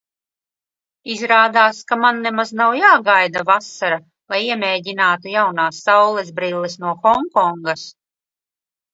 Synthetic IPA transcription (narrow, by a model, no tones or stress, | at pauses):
izɾaːd̪aːskamanːɛmaznawjaːɡajd̪avasaɾa | lˠajiɛmʲeːɟinaːt̪ujawnaːsːawlˠɛzbɾilːisnuɔxɔŋkɔŋɡas